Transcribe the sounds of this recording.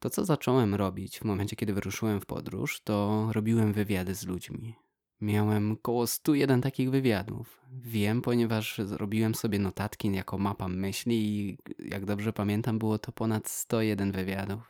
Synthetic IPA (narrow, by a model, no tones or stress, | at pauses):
t̪ɔtsɔzat͡ʂɔwɛmɾɔbʲit͡ɕvmɔmɛnt͡ɕɛkʲɛd̪ɘvɘɾuʂɘwɛmfpɔ̰d̪ɾṵʂt̪ɔɾɔbʲiwɛmvɘvʲjad̪ɘzlud͡ʑmʲi | mʲjawɛmkɔwɔst̪ujɛd̪ɛnt̪akʲiɣvɘvʲjad̪ṵf | vʲjɛmpɔɲɛvaʂzɾʔɔ̰bʲiwɛmsɔbʲjɛnɔt̪at̪kʲinjakɔmapamɘɕlʲiːja̰ɡd̪ɔbʐɛpamʲjɛnt̪ambɘwɔt̪ɔpɔnat̪st̪ɔjɛd̪ɛnvɘvʲjad̪uf